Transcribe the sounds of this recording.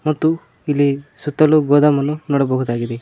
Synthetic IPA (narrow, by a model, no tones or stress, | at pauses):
mɔt̪u | ilesut̪ɔluɡɔd̪amɔnunɔɽɔbɔɡut̪aɡid̪i